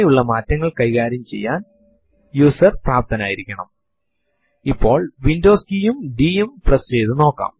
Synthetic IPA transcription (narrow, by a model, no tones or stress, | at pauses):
ejuɭːɐmaːtːɐŋːɐɭkɐjɣaːɾjɐmt͡ɕe̞̰jːaːn | juːsɐrpraːp̚t̪ʰɐnaːjiɾikʲːɐɳɐ̰m | ipːo̞ːɭʋindoːskijumɖijumprɐsejðɨno̞ːkːa̰ːm